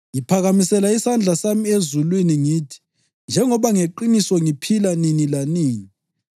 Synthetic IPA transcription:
jipʰaɣamisɛlaisand͡ɮʱasamiezulwiniŋiːtʰi̥ | nd͡ʒʱɛŋɔβaŋeǃinisɔŋipʰilaninilaniːni

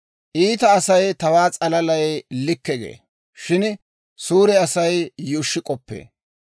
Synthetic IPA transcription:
ʔiːt̪ɐːsɐjt̪ɐwaːt͡sʼɐlɐlɐjlɪkːɛɡḛː | ʃɪn | suːɾɛɐsɐjjʊːʃːɪkʼɔpːḛː

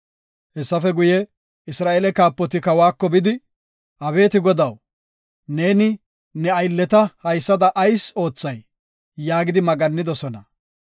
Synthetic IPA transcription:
hɛsːɐfɛɡʊjɛ | ɪsɾaːʔelɛkaːpːɔt̪ɪkɐwaːkːɔbɪd̪ɪ | ʔɐbe̞ːt̪ɪɡɔd̪ɐw | ne̞ːnɪ | nɛɐjlːɛt̪ɐhɐjsːɐd̪ɐʔːjso̞ːt͡sːɐj | jaːɡɪd̪ɪmɐɡɐnːɪd̪ɔsɔnɐ

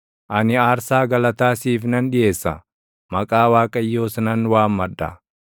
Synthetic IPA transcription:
ʔɐnɪaːɾsaːɡɐlɐt̪aːsiːfnɐnᶑɪjeːsːɐ̰ | mɐkʼaːwaːkʼɐjːoːsnɐnwaːmːɐd̪ːɐ̰

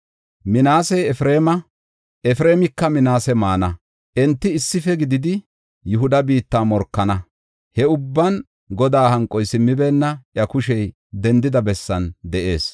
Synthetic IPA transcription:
mɪnaːsɛjɛfɾe̞ːmɐ | ʔɛfɪɾe̞ːmɪkːɐmɪnaːsɛmaːnɐ | ʔɛnt̪ːɪɪsːɪfɛɡɪd̪ɪd̪ɪ | jʊɦʊd̪ɐbiːt̪ːaːmɔɾkːɐnɐ | hɛʊbːɐn | ɡɔd̪aːhɐŋkʼːɔjsɪmːɪbɛːnːɐʔjɐkʊʃɛj | d̪ɛnd̪ɪd̪ɐbɛsːɐnd̪ɛʔe̞̰ːs

